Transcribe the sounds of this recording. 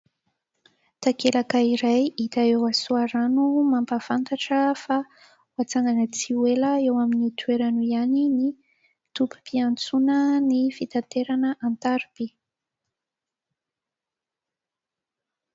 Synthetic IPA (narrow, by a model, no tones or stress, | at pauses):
t̪akelakəiɾajit̪aewasuaɾanumampafant̪aʈ͡ʂəfa | wat͡saŋanət͡siweləewaminit̪ʰweɾanuianini | t̪upu̥piant͡sunənifit̪ant̪eɾanəʔant̪aɾibi